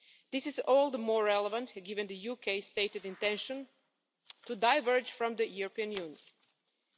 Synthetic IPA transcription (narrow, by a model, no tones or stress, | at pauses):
d̪̥ɪsɪzɔlˠd̪əmɔɹɹɛlˠəvə̃ntɡɪvɨ̃nd̪ɨjukʰeɪsteɪtɨdɪ̃ntɛ̃nʃə̃n | tudaɪvɜ˞d͡ʒfɹʌ̃md̪əjuɹɔpĩɨ̃njũnjə̃n